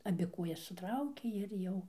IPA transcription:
ɐˈbʲɪ ˈkuɔjɛs sʊˈtrɐʊkʲeː ɪr ˈjɛʊ

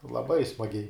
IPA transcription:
lˠɐˈbɐɪ smɐˈɡʲɛɪ

